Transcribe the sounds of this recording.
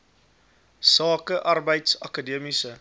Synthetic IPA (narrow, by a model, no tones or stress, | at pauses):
sɑːkəʔɐrbəjtsɐkədiəmisə